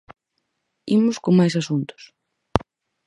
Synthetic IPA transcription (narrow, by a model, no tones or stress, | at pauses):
imʊskoŋmajs̬asunt̪ʊ̥s